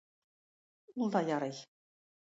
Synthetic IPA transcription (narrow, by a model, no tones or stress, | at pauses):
ulˠd̪ɑjɑɾɤ̆j